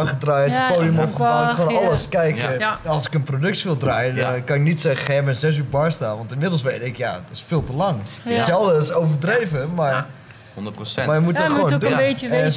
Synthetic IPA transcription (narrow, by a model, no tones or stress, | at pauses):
χədraːjəəpoːdiəmɔpχəaχonɔlˠəskɛjkɔlˠsɪ̥kənprodøktsʋɪlˠdraːjədɔnkɑnɪknitsɛxɛmɛnzɛs̬ybaɹstaːnʋɔntɪnmɪdl̩ˠsʋejtɪkja̰ɪsfɪːlˠtəlaŋɪsɛlˠdəsowvədreːvəmaɹ | nəmajəmutɔxoədeəɛ